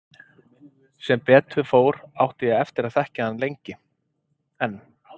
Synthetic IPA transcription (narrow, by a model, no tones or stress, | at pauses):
sɛmpɛːt̪ʏfoːwɾawht̪ɪjɛɣɛft̪ɪɾaðθɛhcaanːlejɲcɪ | ɛnː